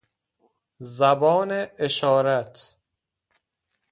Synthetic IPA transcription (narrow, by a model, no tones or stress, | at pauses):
zæbɒːneeʃɒːɾæt̪ʰ